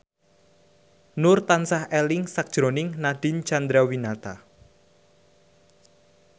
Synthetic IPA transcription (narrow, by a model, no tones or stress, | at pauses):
nʊrt̪ansahɛlɪŋsak̚d̥ʒ̥ɾonɪŋnaɖ̥i̤nt͡ʃand̪ɾawinat̪a